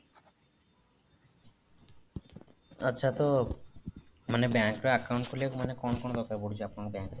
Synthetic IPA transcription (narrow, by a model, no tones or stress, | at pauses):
ətːɕʰat̪o | manebɛkɾaakawɳʈ̚kolemanekɔnkonod̪ɔkaɾboɽid͡ʑʰeapnakbɛŋk